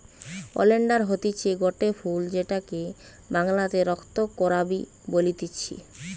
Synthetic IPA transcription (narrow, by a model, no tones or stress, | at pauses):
o̰leɳɖaɾɦot̪it͡ɕʰiɡoʈefʰuld͡ʑeʈake | baŋlat̪eɾɔkʰt̪okːɔɾabi | bolit̪it͡ɕʰḭ